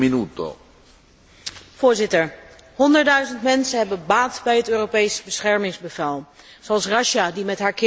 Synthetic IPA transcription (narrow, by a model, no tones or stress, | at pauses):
minut̪o̰ | vʊːɹzɪtəɹ | hɔndəɹtdœɥzəntmɛnsənɦɛbənbaːtbɛjɦətøːropejsbəsχɛɹmɪŋzbəvɛlˠ | z̥owɑlˠsrɑʃadimɛtɦaːɹkɪ